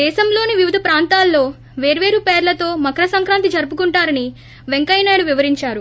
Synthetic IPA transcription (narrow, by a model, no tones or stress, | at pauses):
d̪ɛːʃɐmlo̞ːniʋiʋid̪ʱɐpɾaːnt̪aːlːo̞ː | ʋeːɾʋe̞ːɾupeːɾlɐt̪o̞ːmɐkɾɐsɐŋkɾaːnt̪id͡ʒɐɾpukuɳʈaːɾɐni | ʋeŋkɐjnaːɽuʋiʋɐɾiɲt͡ʃaːɾu